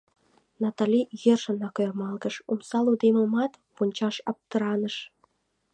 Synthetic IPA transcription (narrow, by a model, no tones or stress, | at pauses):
nɑt̪ɑlʲijerʃə̆nɑkørmɑlɣə̆ʃumsɑlud̪emɤmɑt̪punʲt͡ɕɑʃɑp̚t̪ə̆ɾɑnəʃ